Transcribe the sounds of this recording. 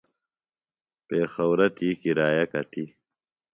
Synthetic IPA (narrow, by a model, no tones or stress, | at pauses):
peːxɐwɾɐt̪iːkiɾaːjɐkɐt̪ʰi